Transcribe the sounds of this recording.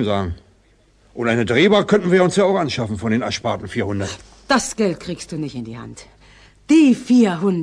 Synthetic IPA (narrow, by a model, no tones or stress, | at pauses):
mzaːɡŋ̩ | ʔʊntʔaɪnədʁeːbaːkʰœntn̩viːɐʊnsjaːaʊxʔanʃafn̩fɔndeːnɛɐʃpaɐtn̩fiːɐhʊndɐt | d̥asɡ̥ɛlt̚kʁ̥iːkst̚d̥uːnɪçtɪndiːha̰nt | d̥iːfiːɐɦʊn